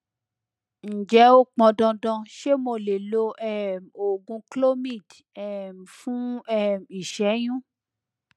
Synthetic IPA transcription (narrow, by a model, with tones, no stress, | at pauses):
n̩˨d͡ʒɛ˨˦o˦k͡pɔ̃˧dɔ̃˧dɔ̃˧ʃe˦mo˧˨le˨lo˧ɛ˦mo˨ɡũ˧klo˦mĩ˦˨d | ɛ˦˨m̩˨fũ˦ɛ˦˨mi˨ʃɛ˨˦j̃ũ˦